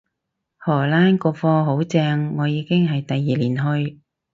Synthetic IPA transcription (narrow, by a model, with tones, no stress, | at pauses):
hɔː˨˩laː˥nkɔː˧fɔː˧ɦo˨˥wt͡sɛː˧ŋːɔː˨˧jiː˨˧kɪ˥ŋɦɐ˨jt̪ɐ˨jːiː˨liː˨˩nɦɵ˧ɥ